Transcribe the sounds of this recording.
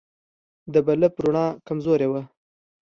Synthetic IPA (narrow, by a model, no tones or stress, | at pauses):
d̪əbaləpɾʊɳɑkamzoɾewə